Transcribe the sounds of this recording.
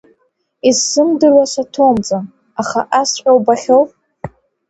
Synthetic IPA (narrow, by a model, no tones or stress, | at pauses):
izːɨmdɨrwasatʰomt͡sʼan | aχaʔasħʲʷʼawbaχʲowpʼ